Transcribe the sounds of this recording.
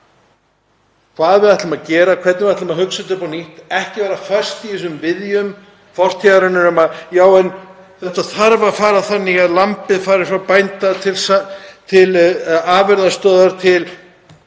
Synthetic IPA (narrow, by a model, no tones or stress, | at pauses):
kʰv̥aːðvɪðaht̪lɪmaðcɛːɾakʰvɛt̪nvɪat̪maðhɦʏksɪt̪ɪɾpɔniht̪ɛhcɪvaɾafœ̥st̪iisʏmvɪðjʏm | fɔr̥t̪ʰaɾɪnːɪɾɛmaðjaːwɛn | θɛt̪aθaɾvafaːɾaθanːɪaðlampɪðfaːɾɪɾ̥fapajnt̪at̪ʰɪlst̪ʰɪlaːvɪɾðast̪œːðaɾ̥t̪ʰɪl